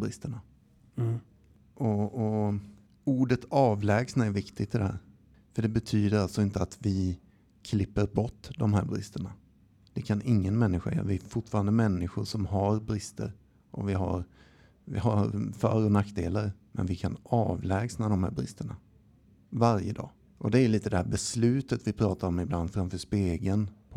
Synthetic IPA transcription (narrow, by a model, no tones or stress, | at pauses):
bɾɪst̪əɳa | ʔɔɔ | uːɖət̪ʰɑːvlɛːɡsnaɛɾvɪkt̪ɪɡt̪ʰɪd̪ɛhæ̰ːɾ | fœɖɛbɛt̪ʰyːd̪əɾalt̪sɔɪnt̪əat̪vɪ | kʰlɪpːəɾbɔʈːd̪ɔmɦæ̰ːɾbɾɪ̰st̪əɳa | d̪̥ɛkʰanɪŋːənmɛnːɪɧa̰a̰vɪæfʊʈfɑːɾand̪əmɛnːɪɧʊʂɔmɦaɾbɾɪst̪ə̰ɾ | ʔɔ̰vɪɦa̰ɾ | vɪ̰ɦaɾfœɾɔnakːd̪ḛːləɾmɛ̰nvɪkʰanɑːvlɛːɡsnad̪ɔmhæ̰ːɾbɾɪ̰st̪əɳa̰ | vaɾjə̰d̪ɑ̰ː | ʔɔd̪ɛæɾliːt̪əd̪ɛhæːɾbɛslʉ̟ːt̪ət̪vɪpʰɾɑːt̪aɾɔmɪbland̪fɾamfœʂpeːɡənpʰ